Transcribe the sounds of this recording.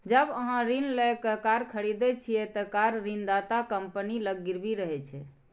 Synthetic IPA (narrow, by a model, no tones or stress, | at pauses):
d͡ʒəbəɦãɾinlɛkəkaɾkʰəɽid̪ɛt͡ʃʰiɛt̪əkaɾɾind̪at̪akəmpəniləɡːiɾbiɾəɦɛt͡ʃʰɛ